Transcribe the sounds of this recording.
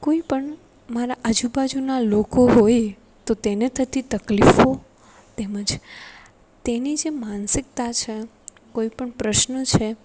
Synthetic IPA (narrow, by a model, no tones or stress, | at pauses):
koipəɳ | maɾaʔəd͡ʒubad͡ʒunalokoɦoj | t̪ot̪enet̪ʰət̪it̪əklifo | t̪eməd͡ʒ | t̪enid͡ʒemansɪk̚t̪at͡ʃʰe | koipəɳpɾəʃnət͡ʃʰe